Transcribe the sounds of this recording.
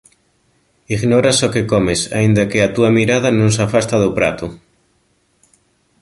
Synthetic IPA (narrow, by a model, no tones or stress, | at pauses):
iɣnoɾasokekomesa̰ind̪akeat̪uamiɾað̞anõŋsafast̪aðopɾa̰t̪u